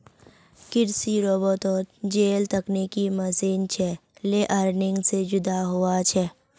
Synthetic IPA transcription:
kɪɾsiɾoːbɔːt̪ɔːɾd͡ʒeːlt̪əknekiməseːnt͡ʃʰɛleʔəɾnɪ̃ŋɡsed͡ʒʊd̪aɦuat͡ʃʰɛ

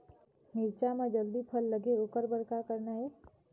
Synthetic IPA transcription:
miɾt͡ʃamãd͡ʒəld̪ipʰəlːəɡeokəɾbəɾkakəɾnaɦe

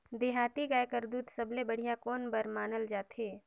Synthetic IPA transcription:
d̪eɦaːt̪iɡaːekəɾd̪uːt̪səblebəɽ̤ijakoːnbəɾmaːnəld͡ʒaːt̪ɦeː

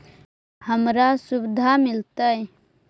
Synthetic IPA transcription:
həmɾasubd̪ʱamɪlt̪əj

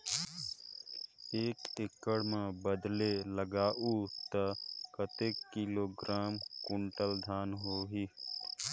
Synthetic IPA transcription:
eːkɪkːəɽmãbəd̪leləɡaːʔuːt̪əkət̪eːkːiloːɡɾaːmkʊɳʈəld̪ʱaːnɦoːɦiː

